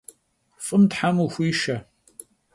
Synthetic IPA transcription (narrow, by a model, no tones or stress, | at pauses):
fʼɨmtħamuxʷiːʃɐ